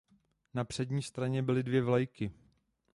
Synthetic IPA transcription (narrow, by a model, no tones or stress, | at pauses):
napr̥ɛdɲiːst̪ɾaɲɛbɪlɪdvjɛvlajkɪ